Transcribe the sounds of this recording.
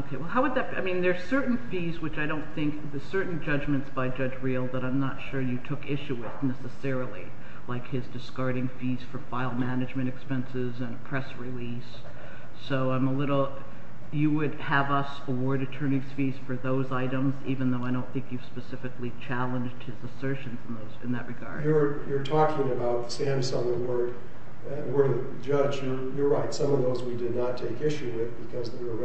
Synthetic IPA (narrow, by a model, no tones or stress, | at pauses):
oʊkʰeɪwɛlˠɦaʊwəd̪̚ðɨt̚a̰ɪmĩnðə˞z̥sɜ˞ʔn̩fizwɨt͡ʃaɪɾõʊ̃nθɪ̃ŋkðɨsɜ˞ʔn̩d͡ʒʌd͡ʒmɨ̃ntsb̥aɪd͡ʒʌd͡ʒɹil̩ˠðəɾãɪ̃mnətʃʊɹjɨtʰʊkɪʃʉwɪðnɛsɨsɛɹl̩ˠḭ | laɪkhɪzdɨskɑɹɾɪ̃ŋfiz̥fə˞faɪlˠmænɨd͡ʒmɨ̃ɾ̃ɨkspɛ̃nsɪzɨ̃npʰɹ̥ɛsɹilisː | oʊãɪ̃məlɪɾl̩ˠ | jɨwɨd | əvʌsəwɔɹɾɨtʰɜ̃˞nisfisfə˞ðoʊzaɪɾə̃mzivɨ̃nðoʊaɪɾõʊ̃nθɪ̃ŋkjʉv̥spɨsɪfɨklit͡ʃʰælˠə̃nd͡ʒd̥̚hɨzəsɜ˞ʃɨ̃nzn̩ðoʊzɨ̰̃nðɨ̰ʔ̚ɹʔɨɡɑ̰ɹjə˞ | jə˞tʰɔkɪ̃ŋɨbaʊt̚sæ̃msʌ̃nə̃wɜ˞d | wə˞ɨ | d͡ʒʌd͡ʒjə˞jə˞ɹaɪtsʌ̃mʌvðoʊzwidɨdⁿnətʰeɪkɪʃʉwɪðbɨkʰʌzðəə